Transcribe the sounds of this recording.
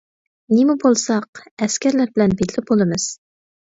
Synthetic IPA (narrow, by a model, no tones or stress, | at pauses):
nemubolˠsɑqɛskʲɛɾlæɾbɪlɛnbed̪lɪp̚bolˠɨmɨz̥